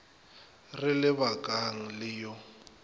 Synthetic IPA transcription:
rɪlɪβakʼaŋ̩lɪjɔ

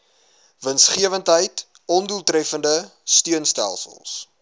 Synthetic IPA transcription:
vənsχiəvəntɦəjt | ɔnduəlˠtɾɛfəndəstyənstæ̰lˠsə̰lˠs

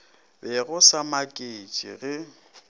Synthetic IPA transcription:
bɛɣʊsamakʼet͡ʃʼɪ̰ɣɪ

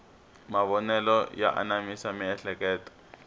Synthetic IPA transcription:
maβɔnɛlɔja̰ʔa̰namisamiɛɬɛkɛːtɔ̥

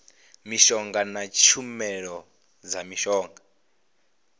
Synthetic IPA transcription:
miʃɔŋɡanat͡ʃʰumɛɺɔ | d͡zamiʃɔːŋɡa

